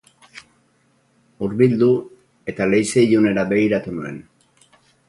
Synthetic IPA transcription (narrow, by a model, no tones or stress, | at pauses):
uɾβild̪u | e̞t̪ale̞jseiʎune̞ɾaβe̞ɣiɾat̪unue̞̰n